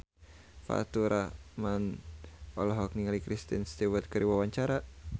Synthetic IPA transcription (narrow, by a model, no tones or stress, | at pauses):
fa̰t̪uɾʔaman | ɔlɔɦɔk̚niŋalikɾist̪inst̪iwət̪̚kəɾiwawaɲt͡ʃaɾa